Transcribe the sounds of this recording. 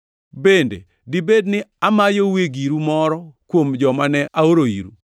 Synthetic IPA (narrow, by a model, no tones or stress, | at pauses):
bendḛ | dibednɪamajoweɡiɾumɔɾɔkwomd͡ʒɔmanɛʔaoɾoḭɾṵ